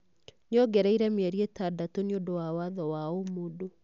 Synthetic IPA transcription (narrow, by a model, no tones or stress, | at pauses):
neɔɡɛɾɛiɾɛmjɛɾietadatoneondowawaðɔwaomodo